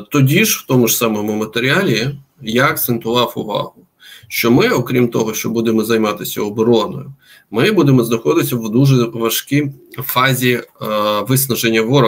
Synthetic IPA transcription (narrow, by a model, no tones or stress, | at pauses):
t̪ɔdʲiʃwt̪ɔmʊʒsɑmɔmʊmɐt̪eɾʲɪalʲi | jaɐkt̪sent̪ʊʋɑwʊʋɑ̰ɦʊ | ʃt͡ʃɔmɪɔkɾʲimt̪ɔɦɔʃt͡ʃɔbud̪emɔzɐjmɑt̪ɪsʲɐ̰ɔbɔɾɔnɔ̰jʊ | mɪbud̪emɔznɐxɔd̪ɪsʲɐʋd̪uʒɛʋɐʃkʲifɑzʲi | ʋɪsnɐʒenʲːɐʋɔɾɔ